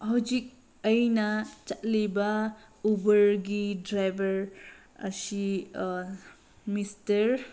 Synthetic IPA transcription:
hawd͡ʒik̚ | əjnat͡ʃat̚liba | ubəɾɡidɾajbɐɾ | əsi | mistəɾ

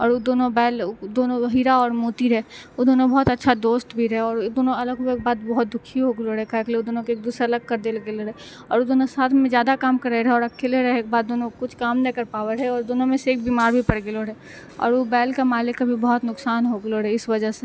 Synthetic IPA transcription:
ɔːɾod̪oːnõbɛːld̪oːnõɦiɾaɔːɾmuːt̪iɾɛɦeod̪oːnõbɔɦʊt̪ɐtːʃʰad̪oːst̪bʱiɾɐɦeɔːɾd̪oːnõɐləɡeeːk̚baːd̪bɔɦt̪̚d̪ʊkʰːiɦoɡloɾɛɦekakleod̪oːnõkeːk̚d̪uːsɾɐləɡ̚kɐɾd̪elɡeloɾe | ɔ̰ːɾod̪oːnõsaːt̪ʰmẽzjaːd̪akaːmkɐɾeeɾɦeɔːɾɐkʰeːleɾɐɦeːkbaːd̪̚ːoːnõkʊt͡ʃʰkaːmnɛkɐɾpaːʋəɾɦɛɔːɾd̪oːnõmẽseːk̚biːmaːɾbʱipɐɽɡeloɾɛ | ɔ̰ːɾobɛːlkamaːlɪkbʱibɔɦʊt̪nʊksaːnɦoɡloɾɛɪsʋɐd͡ʒəɦse

